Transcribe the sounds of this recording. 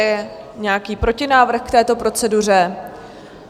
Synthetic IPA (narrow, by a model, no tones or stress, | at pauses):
jɛ | ɲɛakiːpɾo̞cɪnaːvr̩xkt̪ɛːt̪o̞pɾo̞t͡sɛdur̝ɛ